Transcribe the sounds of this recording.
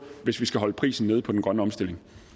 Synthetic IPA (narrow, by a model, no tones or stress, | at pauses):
ʋe̝sʋisɡ̥æɦɒ̽ləpʰʁḭːsn̩ːe̝ð̞ˠpʰɒ̽d̥enɡ̥ʁɶnəɒ̽msd̥e̝le̝ŋ